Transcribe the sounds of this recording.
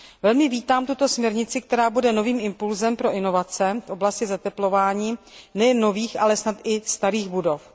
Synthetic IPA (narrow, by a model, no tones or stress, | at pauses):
vɛlmɪviːt̪aːmt̪ut̪o̞smɲɛɾɲɪt͡sɪkt̪ɛɾaːbudɛno̞viːmɪmpulzɛmpɾo̞ʔɪno̞vat͡sɛfʔo̞blascɪzat̪ɛplo̞vaːɲiːnɛjɛnːo̞viːxʔalɛsnat̪ʔɪst̪aɾiːɣbudo̞f